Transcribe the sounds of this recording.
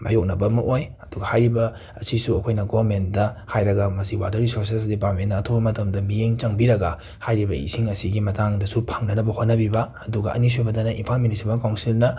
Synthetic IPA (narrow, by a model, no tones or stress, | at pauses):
ma̰jok̚nɐbɐmɐʔojɐduɡɐhajɾibɐ | ɐ̰sisuɐkʰojnɐɡoɐɾmentdɐhajɾɐɡɐmɐsiwa̰dɐɾisoɾses̬dipaɾmennɐːtʰobɐmɐtɐmdɐmijeŋt͡ʃɐŋbiɾɐɡɐ | hajɾibɐḭsiŋɐsiɡimɐtaŋdɐsupʰaŋnɐnɐbɐhotnɐbibɐːduɡɐ̰ʔɐ̰nis̬ebɐdɐnɐʔinpʰalministmakawnsilnɐ